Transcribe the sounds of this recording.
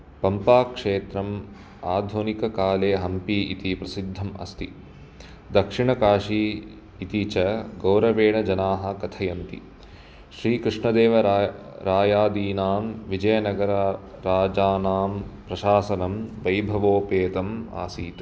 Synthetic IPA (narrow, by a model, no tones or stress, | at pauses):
pɐmpaːkʂeːt̪ɾɐm | aːd̪ʱonikɐkaːleːɦɐmpiit̪ipɾɐsid̪ʱːɐmɐ̰st̪ḭ | d̪ɐkʂiɳɐkaːʂiː | t̪it͡ʃɐɡɐwɾɐʋeːɳɐd͡ʒɐnaːɦɐ̆kɐt̪ʰɐjɐnt̪ḭ | ʃɾiːkɾiʂɳɐd̪eːʋɐɾaːjaːd̪iːnaːmʋid͡ʒɐjɐnɐɡɐɾɐɾaːd͡ʒaːnaːmpɾɐʃaːsɐnɐmʋɐjbʱɐʋoːpeːt̪ɐma̰ːsiːt̪